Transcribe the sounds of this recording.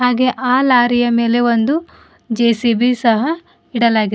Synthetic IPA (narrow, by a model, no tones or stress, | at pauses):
ɦaːɡe̞ʔaːlaːɾijɐme̞ːle̞ʋond̪u | d͡ʒeːsibisɐɦɐ | iɽɐlaːɡi